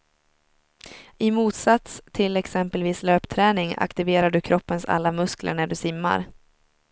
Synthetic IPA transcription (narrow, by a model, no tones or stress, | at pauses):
ɪmuːt̪sat̪st̪ʰɪlɛksɛmpəlviːsløːpt̪ʰɾɛːnɪŋa̰kt̪ɪveːɾaɖɵkʰɾʔɔpːənsa̰lːamɵsklə̰ɳæɖɵsɪmːa̰ɾ